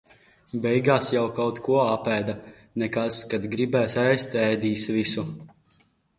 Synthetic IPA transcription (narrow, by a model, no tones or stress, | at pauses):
bɛjɡaːsjawkawt̪kuɔapæːd̪a | nɛkaskad̪ɡɾibæːsɛjst̪ʲɛjd̪iːsvisu